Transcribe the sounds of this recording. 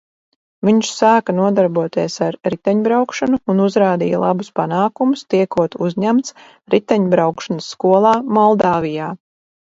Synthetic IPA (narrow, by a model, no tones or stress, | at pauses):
viɲʃsaːkanuɔd̪aɾbuɔt̪iɛsaɾɾit̪ɛɲbɾawkʃanuːnuzɾaːd̪ḭja̰lˠa̰buspanaːkumust̪iɛkuɔt̪uzɲæmt̪s | ɾit̪ɛɲbɾawkʃansːkuɔlˠɑːmɔlˠd̪aːvijaː